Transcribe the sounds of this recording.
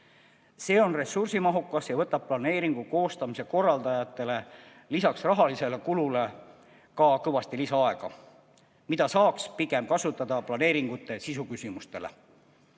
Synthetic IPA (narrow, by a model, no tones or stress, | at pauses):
se̞ːo̞nre̞sursimɑɦukːˑɑsjɑvɤ̞t̪ːˑɑb̚plɑne̞ːɾiŋɡ̥uko̞ːst̪ɑmise̞ko̞rːɑld̪̥ɑjɑt̪ːˑe̞le̞ | lisɑksrɑɦɑlise̞le̞kulule̞ | kɑkɤvɑst̪ilisɑɑe̞ɡ̥ɑ̰ | mid̪̥ɑsɑːkspiɡe̞mkɑsut̪ːˑɑd̪̥ɑplɑne̞ːɾiŋɡ̥ut̪ːˑe̞sisukysimust̪e̞lḛ